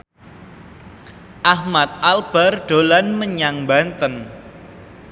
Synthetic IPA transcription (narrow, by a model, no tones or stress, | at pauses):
ʔahmat̪̚ʔalb̥arɖ̥o̤lanməɲaŋmbant̪ən